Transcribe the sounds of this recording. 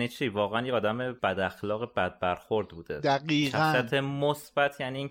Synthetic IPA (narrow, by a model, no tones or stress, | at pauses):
nit͡ʃʰiːvɒːɣeænjeɒːd̪æmeb̥æd̪æxlɒːɣebæd̪̚bæɾxo̞ɾd̪buːd̪ed̪æɡiːæææt̪ʰemosb̥æt̪ʰjæniːŋ